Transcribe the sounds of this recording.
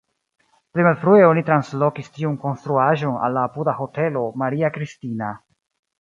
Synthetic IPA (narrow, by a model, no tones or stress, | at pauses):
plimalfɾue̞o̞nitɾanslo̞kistiunko̞nst̪ɾuaʒo̞na̰lːaːpudaho̞te̞lo̞maɾiakɾistina